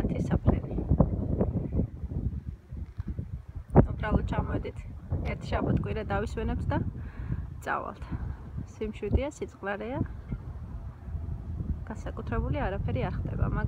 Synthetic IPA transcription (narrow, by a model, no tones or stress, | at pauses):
t̪ʰisapʰɾɛni | ubɾalˠɔd̪̥̚t͡ʃʰamɔɛd̪it̪ʰɛɾt̪ʰʃabat̪ʰkʼwiɾad̪aviswɛnɛp̚t̪ʰd̪a | t̪sʼa̰va̰lˠt̪ʰsimʃid̪iasit̪sʼqʼlaɾɛa | ɡ̥ansakʼut̪ʰɾɛbuliaɾapʰɛɾiaɾχd̪ɛ̰ba̰ma